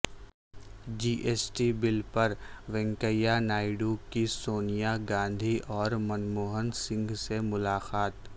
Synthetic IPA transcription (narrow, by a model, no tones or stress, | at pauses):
d͡ʒiːʔeːsʈibɪlpɐɾʋɛ̃ŋkəjanaːɪɖukisoːnijaɡãːnd̪ʱiʔɔːɾmɐnmoːɦənsɪ̃ŋɡsemʊlaːqaːt̪